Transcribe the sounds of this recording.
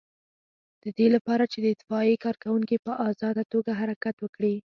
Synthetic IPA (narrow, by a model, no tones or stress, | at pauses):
d̪̥əd̪elapɑɾat͡ʃed̪əɪd̪ɪfɑikɑɾkawuŋkipəʔɑzɑd̪at̪oɡaɦaɾakat̪wəkɽi